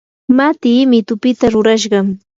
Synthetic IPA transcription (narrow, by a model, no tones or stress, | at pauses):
mat̪iːmɪt̪ʊpɪt̪aɾʊɾaʃ̬ɢɑŋ